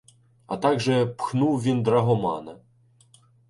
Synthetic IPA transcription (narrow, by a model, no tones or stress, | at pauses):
ɐ̰t̪ɑɡʒɛpxnuwʋʲind̪ɾɐɦɔmɑ̰nɐ